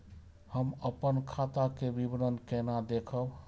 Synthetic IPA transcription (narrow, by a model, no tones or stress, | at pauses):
həməpənkʰat̪akebibɾənkenad̪ekʰəb